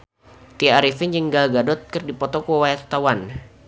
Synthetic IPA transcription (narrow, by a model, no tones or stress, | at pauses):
t̪iaaɾifiɲd͡ʒəŋɡaɡadɔt̪̚kɨrdipɔt̪ɔkuawajast̪awan